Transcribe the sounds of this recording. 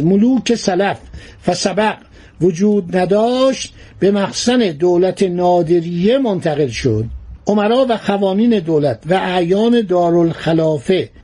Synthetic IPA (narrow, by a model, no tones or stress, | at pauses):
moluːkʰe̞sælæf | væsæbæɡ | vod͡ʒuːd̪̚næd̪ɒːʃt̪̚ | be̞mæxsæne̞d̪oːlæt̪ʰenɒːd̪e̞ɾiːjemont̪ʰæɣe̞lʃo̰d̪̥̚ʔomæɾɒːvæxævɒːniːne̞d̪oːlæt̪ʰvæʔæjɒːne̞d̪ɒːɾolxælɒːfe